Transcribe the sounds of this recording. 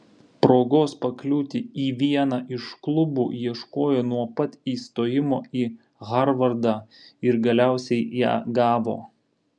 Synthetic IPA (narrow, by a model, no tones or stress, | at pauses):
pɾoːɡoːspɐklʲuːt̪ʲɪiːʋʲiɛnɑʔɪʃklˠʊbuːjiɛʃkoːjoːnuɔpɐt̪ʲiːst̪oːjɪmoːiː | ɣɐɾʋɐɾd̪ɑː | ɪɾɡɐlʲæˑʊsʲɛɪjæ̰ːɡɑːʋo̰ː